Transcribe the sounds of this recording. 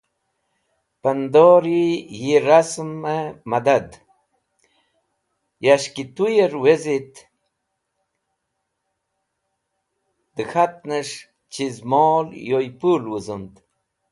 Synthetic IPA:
pənd̪oɾijiɾasməmad̪ad̪ | jaɕkit̪ujeɾwezit̪ | d̪əxat̪̚nəʂ | t͡ɕizmoːljojpulwuzund̪

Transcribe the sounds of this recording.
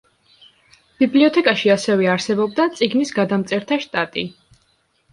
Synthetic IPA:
b̥ibliɔt̪ʰɛkʼaʃiasɛvɛaɾsɛbɔb̚d̪at̪sʼiɡnisɡad̪amt̪sʼɛɾt̪ʰaʃt̪ʼat̪ʼi

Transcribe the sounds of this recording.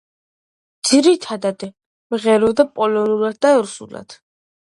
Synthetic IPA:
d̪z̥iɾit̪ʰad̪ad̪ | mʁɛɾɔd̪apʼɔlɔnulad̪̚d̪aɛɾusṵla̰d̪̥

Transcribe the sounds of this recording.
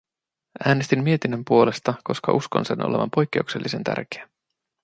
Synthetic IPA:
æːnest̪imːie̞t̪inːømpuo̞le̞st̪ɑko̞skɑ̰ʔusko̞̰nse̞nʔo̞̰le̞ʋɑ̰mpo̞jk̟ːe̞ukse̞lːʔise̞nt̪æ̰rk̟eæ

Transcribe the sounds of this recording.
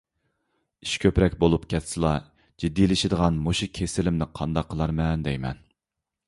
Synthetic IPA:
iʃkʲʰøpɾɛkʲbolˠupkʲʰɛt̪sɨlˠɑ | d͡ʒid̪ːilɪʃɪd̪əʁɑnmoʃukʲʰesɪlɪmnɪqʰɑnd̪ɑqʰːəlˠɑɾmɛnd̪ɛjmɛ̰n

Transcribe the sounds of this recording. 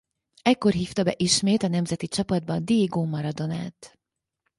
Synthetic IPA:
ɛkːo̞rɦiːft̪ɒbɛʔiʃmeːt̪ɒnɛmzɛt̪it͡ʃɒpɒd̪̚bɒd̪eːɡoːmɒɾɒd̪o̞na̰ːt̪

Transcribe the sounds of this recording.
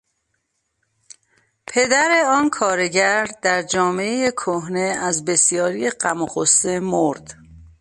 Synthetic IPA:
pʰe̞d̪æɾeɒːnkʰɒːɾe̞ɟæɾd̪̥æɾd͡ʒɒːmeejekʰoɦne̞æzbe̞sijɒːɾijeɢæmoɣosːemoɾd̪̥

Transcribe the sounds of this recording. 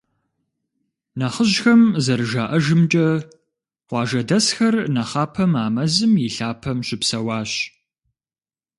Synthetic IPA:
nɐχəʑxɐmzɐɾɨʒaːʔɐʒɪmt͡ʃʼɐ | qʷɑːʒɐdɐsxɐrnɐχɑːpʰɐmaːmɐzɨmjɪɬaːpʰɐmɕɪpsɐwɑːɕ

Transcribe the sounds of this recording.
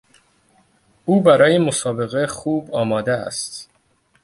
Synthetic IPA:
ʔuːbæɾɒːjemo̞sɒːbe̞ɣexuːbɒːmɒːd̪eæ̰st̪

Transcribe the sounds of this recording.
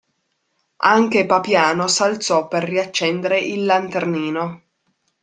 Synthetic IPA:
aŋkepapjaːnosalt̪sɔpːerːiat͡ʃːɛnd̪eɾeʔilːant̪erniːno

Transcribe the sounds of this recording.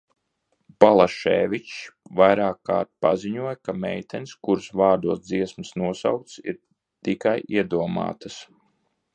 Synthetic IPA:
balˠaʃɛ̰ːvʲit͡ʃvajɾaːkːa̰ːɾt̪̚pa̰ziɲuɔjkamɛ̰jt̪ʰɛnskuɾsvaːɾd̪uɔsd̪ziɛsmsnuɔsa̰wk̚t̪sḭɾ | t̪ikajiɛd̪uɔma̰ːt̪as

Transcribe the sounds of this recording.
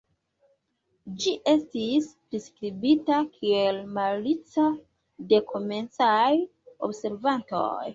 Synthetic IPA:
d͡ʒiʔe̞stispɾiskɾibitakʰielmalit͡sa | de̞kome̞nt͡saj | o̰bse̞ɾvanto̰j

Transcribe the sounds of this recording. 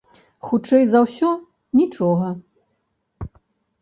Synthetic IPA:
xut͡ʂɛjzɐwsʲɔ | nʲit͡ʂɔɣɐ

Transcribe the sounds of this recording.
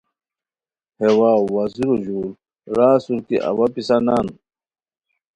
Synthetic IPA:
hewaːwaziɾuʑuːl | ɾaːsuɾkḭʔa̰wapisanaːn

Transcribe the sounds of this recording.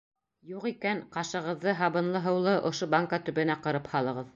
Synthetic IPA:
juqikænqɑʃɤ̆ʁɤ̆ðːɤɦɑβɤ̆nlˠɤɦɤ̆wlˠɤʔŏʃobaŋkat̪ɵ̆βɘ̆næqɤ̆ɾɤphɑlˠɤ̆ʁɤð

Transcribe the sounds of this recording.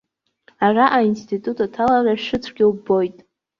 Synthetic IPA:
araʔainstʰʼitʼutʰʼatʰalaraʂɨt͡sʷʰɡʲɪlbo̞jtʼ

